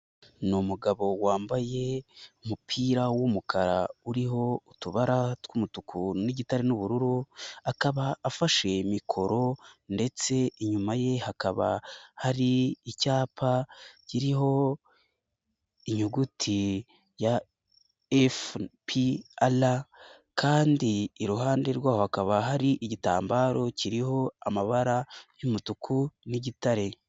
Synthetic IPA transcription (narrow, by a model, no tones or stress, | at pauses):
nomuɡaβo̞waːmbaje̞umupʰiːɾawomukʰaɾa̰uɾiɦo̞utuβaɾatwumutukʰuniɟitaɾenuβuɾuɾuakaβaːfaʃe̞mikʰo̞ɾo̞nde̞t͡se̞iɲumaje̞hakaβa̰haɾiːcaːpʰaciɾiho̞ | iɲuɡutʰi | ja | efpʰiala | kʰaːndiːɾuɦaːnde̞ɾɡwaːhohakaβaɦaɾiʔiɟita̰ːmbaːɾo̞ciɾiho̞amaβaɾajumutukʰuniɟitaɾe̞